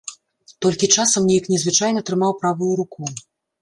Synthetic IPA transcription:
t̪ɔlʲkʲit͡ʂasɐmnʲejiknʲɛzvɨt͡ʂajnɐt̪ɾɨmawpɾavujuɾuku

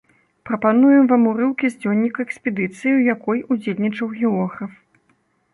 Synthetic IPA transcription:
pɾɐpanujɛmvamuɾɨwkʲizʲd͡zʲɔnʲːikɐɛksʲpʲɛd̪ɨt̪sɨjiwjakɔjud͡zʲelʲnʲit͡ʂɐwɣʲɛɔxɐf

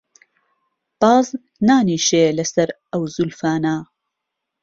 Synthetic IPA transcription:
b̥ɑːz | naːniːʃeːlɐsɐɾ | ɐwzulfaːnaː

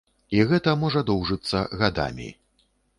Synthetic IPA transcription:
iɣɛt̪ɐmɔʐɐd̪ɔwʐɨt̪sːɐɣad̪a̰mʲḭ

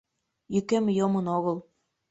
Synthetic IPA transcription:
jykemjomənoɣəl

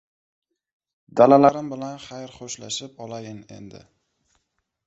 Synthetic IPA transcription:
d̪alalaɾɪmbɪlanχajɾχoʃla̰ʃɪpɒlajɪne̞̰nd̪ɪ̰

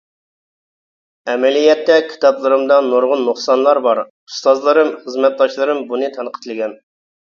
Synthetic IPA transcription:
ɛmɛlijɛt̪ːɛkʲʰi̥t̪ʰɑplˠɨɾɨmd̪ɑnoɾʁʊnːuχsɑnlˠɑɾbɑɾ | ust̪ɑzlˠɨɾɨmχəzmɛt̪̚d̪ɑʃlˠɨɾɨmbunɨt̪ʰɑnqʰə̥t̪ʰlˠɨɡʲɛn

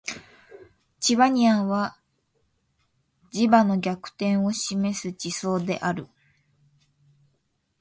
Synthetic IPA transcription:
t͡ɕiβaɲ̟iãɰ̃βa | d͡ʑibano̞ɡʲakɯ̟̥t̪ẽ̞ɰ̃o̞ɕime̞sɨt͡ɕiso̞ːd̪e̞̰ʔaɾɯ̟

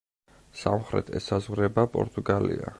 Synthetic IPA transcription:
samχɾɛt̪ʰɛsazʁɾɛbapʼɔ̰ɾt̪ʼuɡalḭa

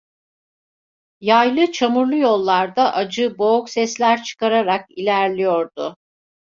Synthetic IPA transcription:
jajlˠɯt͡ʃʰamuɾlˠujo̞lˠːaɾd̪aʔad͡ʒɯbo̞ksɛslʲæɾt͡ʃʰɯ̥kaɾaɾakilʲæɾlʲijo̞ɾd̪ʊ

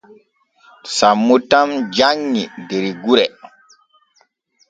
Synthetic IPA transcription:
samːutamd͡ʒaŋːindeɾiɡuɾɛ

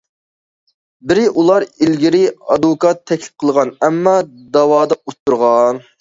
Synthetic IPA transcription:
bɪɾɪʔulˠɑɾilɡʲiɾɪɑd̪ukɑt̪ʰːɛkʲlɪ̥p̚qʰəlˠʁɑnɛmːɑd̪ɑwɑːd̪ɑut̪ʰːuɾʁɑn

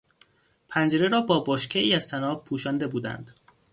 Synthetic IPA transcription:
pʰænd͡ʒeɾeɾɒːbɒːboʃcʰeiːæz̥t̪ʰænɒːb̚pʰuːʃɒːnd̪e̞buːd̪æ̰nd̪̥

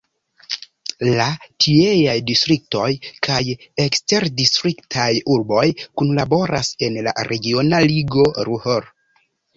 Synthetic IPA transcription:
latʰie̞jajdistɾik̚to̞jkʰajekste̞ɾdistɾiktʰajuɾbo̞jkunlabo̞ɾa̰se̞nla̰ɾʔe̞ɡio̞naliɡo̞ɾuhoɾ

